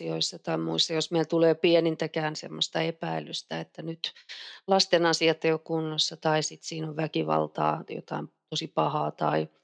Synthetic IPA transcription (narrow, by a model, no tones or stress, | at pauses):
ioisːɑt̪ɑimuisːɑjosmeilt̪uleːpiɛnint̪ækæːnsḛmːost̪ɑepæilyst̪æet̪ːænyt̪lɑst̪enɑsiɑt̪ːejokkunːɑsːɑt̪ɑisit̪siːnoʋʋækiʋɑ̰lt̪ɑ̰ːjo̰t̪ɑimt̪osipɑhɑːt̪ɑi